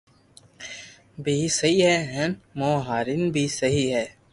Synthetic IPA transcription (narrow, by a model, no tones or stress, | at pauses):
bʱiːsəɦiːɦɛːɦɛ̃nmõːɦaːɾinbʱiːsəɦiːɦɛː